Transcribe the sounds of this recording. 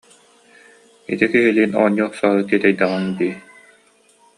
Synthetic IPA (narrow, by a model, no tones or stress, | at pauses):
ḭt̪ikiɦiliːnɔ̰ɲːuɔχsaːɾɯt̪iɛt̪ɛjd̪aʁaŋd̪iː